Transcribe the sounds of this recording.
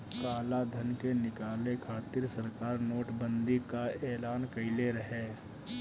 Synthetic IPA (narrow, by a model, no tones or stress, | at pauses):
kaːlad̪ʱɐnkenɪkaːlekʰaːt̪ɪɾsɐɾkaːɾnoːʈbə̃nd̪ʱikaɛːlaːnkɐɪleɾɐɦeː